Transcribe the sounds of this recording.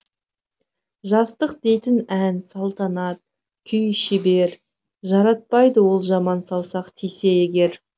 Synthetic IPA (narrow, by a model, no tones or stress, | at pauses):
ʒɑst̪əq̚d̪̥e̞jt̪ɪnænsɑlˠt̪ɑnɑt̪̚ | kʲʰʏjʃɪbe̞ɾ | ʒɑɾɑt̪̚pɑjd̪əwo̞lˠʒɑmɑnsɑwsɑqt̪ʰijse̞eɡʲe̞ɾ